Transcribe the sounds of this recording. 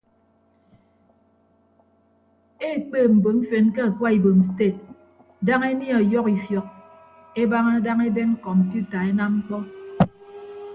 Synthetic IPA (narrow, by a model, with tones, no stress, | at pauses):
e˦˨k͡peː˦˨m̩˨bo˨m̩˦fe˨nke˦a˨kwa˦i˨bo˨m˨s̬te˦˨t̚ | da˦ŋe˦ni˦a˨jɔ˦ki˨sjɔ˨k̚ | e˦ba˦ŋa˦da˦ŋe˦be˦ŋ̩˦kɔ˨m̩˨pju˦ta˨e˦na˦m̩˦k͡pɔ˦